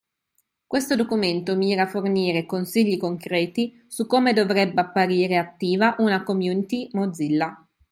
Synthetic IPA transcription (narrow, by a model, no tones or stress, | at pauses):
kwest̪od̪okument̪omiːɾaːforniːɾekonsiʎːikoŋkɾɛːt̪i | sukːomed̪ovɾɛbːeapːaɾiːɾeat̪ːiːvaʔunakomjuːnit̪imod̪zilːa